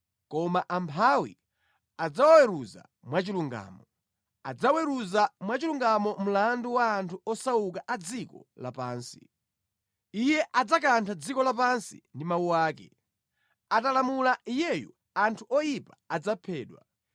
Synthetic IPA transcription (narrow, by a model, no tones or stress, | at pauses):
kɔmaʔampʰawḭ | ad͡zawwɛɾuza̰ | mwat͡ʃiluŋɡa̰ːmɔ | ad͡zawɛɾuzamwat͡ʃiluŋɡamɔm̩landuwaːntʰuɔsaukaʔad͡zikɔ̰lapaːnsi | ijɛʔad͡zak̬antʰad͡zikɔlap̬ansḭndimawuwaːkɛ̰ | atalamulaijɛjɔ̰ | antʰuʔɔjipaad͡zapʰɛːɗwa